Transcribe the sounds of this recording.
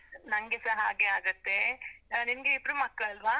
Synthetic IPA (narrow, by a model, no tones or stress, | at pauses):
nɐŋɡesɐɦaːɡe̞aːɡɐt̪ːe̞nimɡeib̪ɾumɐkːɭɐɐlʋaː